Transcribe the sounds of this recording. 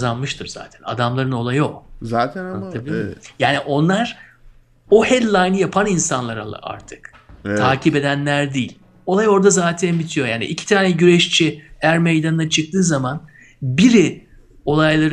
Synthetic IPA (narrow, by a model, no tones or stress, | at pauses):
zanmɯʃt̪ʰɯɾz̥a̰ːt̪ʰɛ̥na̰d̪amlˠaɾɯno̞lˠajozaːt̪ʰabilʲjaːniʔo̞nlˠaɾ̥ | ohɛlʲlˠajnɯjapʰaninsanlˠaɾa̰lˠa̰ʔa̰ɾt̪ʰɯ̥k | t̪ʰaːcʰipe̞d̪ænlʲæɾd̪iːlʲ | o̞lˠajo̞ɾd̪azaːt̪ʰænbit̪ʰijo̞ja̰ːnḭʔicʰi̥t̪ʰaːnɛɟyɾɛʃt͡ʃʰiæɾmejd̪anɯnat͡ʃʰɯk̚t̪ʰɯːzaman | biɾi | o̞lˠajlˠaɾ